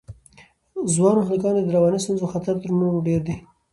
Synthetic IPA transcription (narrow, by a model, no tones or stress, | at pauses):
zwɑnoxlikɑnod̪əɾawɑnist̪unzoxat̪aɾt̪əɾnoɖeɾd̪e